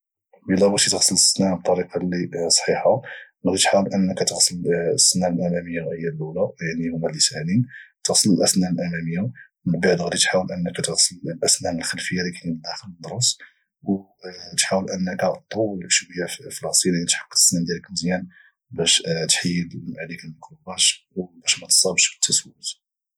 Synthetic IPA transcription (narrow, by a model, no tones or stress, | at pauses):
bəlæbæt̪it̪əɣsələsːnæb̚t̪ˤːɑɾiqɑlisˤħiħa | ɣd̪it̪ħawəlʔənːəkæt̪əɣsəlsːənæəlʔæmæməjːawʔəjːælulæjaʕnihʊmːælisʕlint̪əɣsələlʔæsnælʔæmæməjːa | məlbaʕd̪ɣd̪it̪ħawəlʔənːəkːæt̪əɣsəllʔæsnænəlxəlfəjːalikænəd̪æxələd̪ɾˤus | w | t̪ħawəlʔənːəkæt̪ˤːowːəlʃwəjːaflɑst̪ˤinʕnit̪ħḁkːə̥t̪ə̥sːnænd̪jæləkməzjæn | bæʃt̪ħəjːəd̪mʕalikəlməkɾubæʃwbæʃmæt̪sˤɑbʃbə̥t̪ʰːæswz